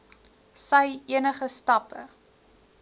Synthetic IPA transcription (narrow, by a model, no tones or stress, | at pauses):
səjiənəχəstɐpə